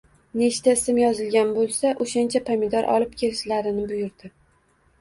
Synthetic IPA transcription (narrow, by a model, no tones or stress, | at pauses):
ne̞ʃt̪ʰaɪsɪmjɒzɪlɡʲanbolˠsaʔoʃant͡ʃʰapʰamɪd̪ɒɾʔɒ̰lˠɪp̚kʲʰe̞lɪʃlaɾɪnɪbʊjʊɾd̪ɪ